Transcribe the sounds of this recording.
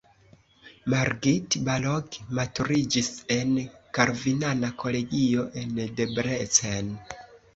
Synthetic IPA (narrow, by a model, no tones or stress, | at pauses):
maɾɡitbalokmatuɾid͡ʒise̞nkaɾvinanakʰo̞le̞ɡio̞ʔe̞nde̞bɾet͡sen